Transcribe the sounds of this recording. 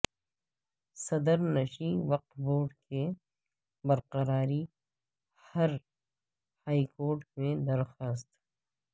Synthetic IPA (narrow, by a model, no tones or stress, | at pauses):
sɐd̪əɾnɐʃiʋɐq̚t̪boːɖke | bɐɾqɐɾaːɾi | hɐɾ | haːikoːɾʈmẽd̪ɐɾxaːst̪